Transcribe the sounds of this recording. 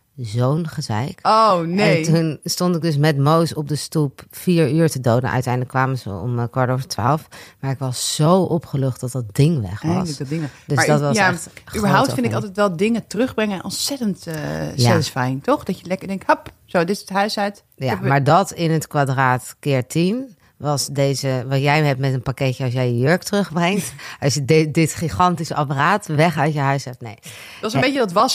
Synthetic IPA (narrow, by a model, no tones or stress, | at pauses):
zownχəzɛ̰jkoneɛntunstontɪɡ̚dɵs̬mɛtmowsɔp̚dəstupfiːɹyːɹtədowdə̰nʔœ̰ɥtɛjndələkːʋaːmənzə̰ɔ̰mkʋɑɹtovəɹtʋa̰ːlˠfmaːɹɪkʋɑsz̥owʔɔpχəløχtd̥ɑt̚dɑt̚dɪŋʋɛ̰χɑ̰lədɪŋdømasdɔtʋɑsaɛtybəɹɦawp̚fɪndɪkɑlˠtɛjtʋɛlˠdɪŋətərɵχbrɛŋənʔɔnsɛtəntjaɛlsfɛjntɔχdɑjəlɛkəɹdɛŋ̚thəp | sodɪtɪsətɦœɥsɛt | jamaːɹdɔtɪnətkʋadraːtkɪːɹtin | ʋɑsdejzəʋɑtjɛjɦɛp̚tmɛtənpakɛcjəɑlˠs̬jɛjəjøɹktərɵχbrɛŋtʔɑsjəddɪtχiχɑntisəɑpəraːtʋɛχœɥtjəɦœɥsɦɛp̚tnḛj | ɑsəbejədtʋɑs